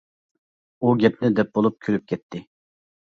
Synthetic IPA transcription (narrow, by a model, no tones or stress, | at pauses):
uɡʲɛpnɪd̪ɛp̚bolˠup̚kʲʰølyp̚kʲʰɛt̪ʰːɪ